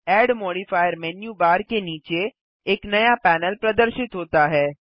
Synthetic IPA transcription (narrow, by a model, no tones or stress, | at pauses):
ɛːɖmoːɽifaːjəɾmɛːnjubaːɾkeniːt͡ʃeː | knɐjapɛːnəlpɾɐd̪əɾʃɪt̪ɦoːt̪aɦɛː